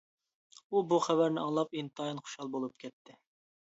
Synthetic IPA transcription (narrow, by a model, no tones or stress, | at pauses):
ubuχɛbɛɾnɪɑŋlˠɑpint̪ɑjinχo̥ʃɑlˠbolˠup̚kʲʰɛt̪ʰːɪ